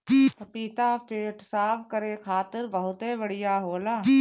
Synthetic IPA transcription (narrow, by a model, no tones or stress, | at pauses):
piːt̪apeːʈsaːpʰkəɾekʰaːt̪ɪɾbəɦʊt̪ɦebəɽ̤ɪjaɦoːlaː